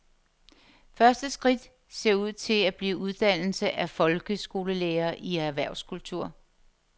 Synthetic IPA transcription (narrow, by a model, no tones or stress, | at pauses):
fɶɐsd̥əsɡ̥ʁid̥ | se̝ɐ̰uð̞̰ˠt͡sʰe̝læb̥liːuð̞ˠd̥æn̰l̩səʔæfɒ̽lɡ̥əsɡ̥o̝ːləleːɐːʔiæɐʋæɐʊskʰult͡sʰuɐ̰